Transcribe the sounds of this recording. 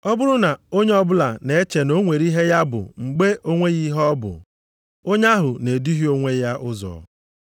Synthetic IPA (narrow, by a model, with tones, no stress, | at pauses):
ɔ˦bʊ˦ɾʊ˦na˨o˦ɲe˦ɔ˦bʊ˦la˨ne˨e˦t͡ʃe˨no˦ŋʷe˨ɾi˦ɦe˦ja˦bʊ̰˨ŋ͡m̩˨ɡ͡be˦ʔo˦ŋʷe˦ɣi˦ɦɔ˦bʊ̰˨ | o˦ɲa˦ɦʊ˨ne˨di˦ɦi˦o˦ŋʷe˦ja˦ʔʊ˦zɔ̰˨